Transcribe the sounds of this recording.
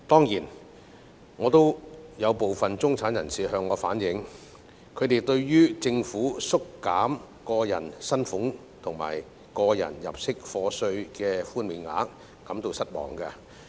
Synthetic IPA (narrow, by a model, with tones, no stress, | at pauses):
t̪ɔː˥ŋjiː˨˩n | ŋɔː˨˧t̪o˥wjɐ˨˧wpo˨wfɐ˨nt͡sʊ˥ŋt͡sʰaː˨˥njɐ̰˨˩nsiː˨ɦœː˧ŋːɔː˨˧fa̰ː˨˥njɪ˨˧ŋ | kʰɵ˨˧ɥt̪e˨jt̪ɵ˧ɥjyː˥t͡sɪ˧ŋfuː˨˥sʊ˥kːaː˨˥m | kɔː˧jɐ̰˨˩nsɐ˥nfʊ˨˥ŋ | t̪ʰʊ˨˩ŋma̰ː˨˩j | kɔː˧jɐ̰˨˩njɐ̰˨˩p̚sɪ˥k̚fɔː˧sɵ˧ɥkɛː˧fuː˥nmiː˨˧nŋa̰ː˨˥kː | ɐ˨˥mt̪o˨˧wsɐ˥t̚mɔ̰ː˨˩ŋkɐ˧